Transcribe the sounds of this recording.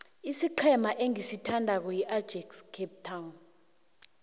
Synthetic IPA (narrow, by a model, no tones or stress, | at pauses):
isiǃʰɛmaʔeŋisitʰandʱak̬ɔjiʔad̥d͡ʒ̥ʱɛkskʰɛp̚tʰawun